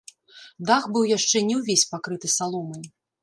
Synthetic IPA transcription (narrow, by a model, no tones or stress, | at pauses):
d̪axbɨwjaʂt͡ʂɛnʲɛwvʲesʲpakɾɨt̪ɨsalˠɔmɐj